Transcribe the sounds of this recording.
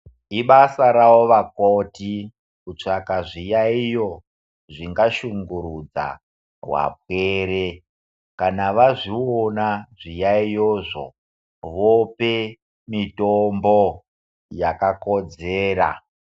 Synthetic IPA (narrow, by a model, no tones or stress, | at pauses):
iɓasaɾawoʋakoti | kut͡ʂakaʐijaijo̞ | ʐiŋɡaʃuŋɡuɾud͡za̰ | wa̰p̚weɾe | kanaʋaʐionaʐijaijoʐo̰ | ʋope | mitombo | jakakod͡zeːɾa̰